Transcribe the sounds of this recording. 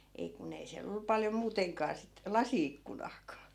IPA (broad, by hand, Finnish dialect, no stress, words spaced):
ei kun ei siæl olːu pɑljo muːteŋkɑː sit lɑsiikːunɑːkɑː